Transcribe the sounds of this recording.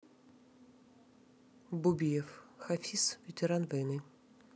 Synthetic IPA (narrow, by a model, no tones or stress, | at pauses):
bubʲijɛfxafʲisvʲet̪ʲɛɾanvɛjnɨ